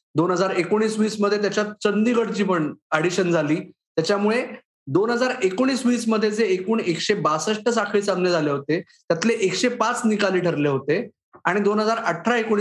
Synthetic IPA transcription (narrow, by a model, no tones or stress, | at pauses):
d̪onɦəd͡zaɾekoɽ̃iːsʋiːsməd̪ʱjet̪jat͡ɕjat͡sənd̪iɡəɽt͡ɕiːpəɳaɽiɕənd͡zʱaliːt̪jat͡ɕjamuɭe | d̪onɦəd͡zaɾekoɽ̃iːsʋiːsməd̪ʱːjed͡zeːkuːɳekɕebasəʂʈəs̬akʰɭiːt͡samnjəd͡zʱaleɦot̪et̪jat̪leʔekɕepat͡snikaliːʈʰəɾleɦot̪e | aɽ̃id̪onɦəd͡zaɾəʈʰːɾaekoɽ̃